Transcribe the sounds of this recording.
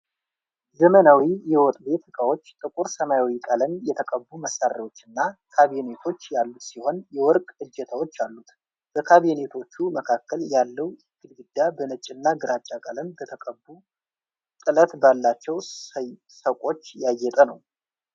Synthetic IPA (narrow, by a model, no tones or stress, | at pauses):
zəmənawijɛwɔt̪ʼbe̞t̪ɨkʼawo̞t͡ʃːt̪ʼɨkʼuɾsəmajawikʼalənjɛt̪ʰəkʼəbːuməsːarewo̞t͡ʃːɨnːakʰaβijne̞t̪ʰo̞t͡ʃːjalːut̪siho̞njɛwɔɾkʼɨd͡ʒːɛt̪ʰawo̞t͡ʃːalːut̪ | b̥əkʰaβinet̪ʰo̞t͡ʃːuməkʰakːəljalːəwɡɨlɡɨd̪ːabənət͡ʃʼːɪnːaɡɨɾat͡ʃʼːakʼələnbət̪ʰəkʼəbːu | t̪ʼɨlət̪balːat͡ʃːɛw | səkʷʼo̞t͡ʃːjajːɛt̪ʼənəw